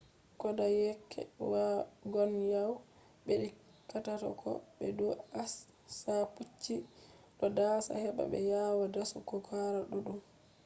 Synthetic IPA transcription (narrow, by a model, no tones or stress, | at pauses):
kɔdajɛkʰːɛ̰waɡɔnjaw | ɓeɗi | kːatatɔ̰kʰɔ̰ɓɛduasː | aput͡ʃːi | ɗɔdasa̰hɛɓa̰ɓɛ̰jawadasukɔkʰaɾaɗuɗum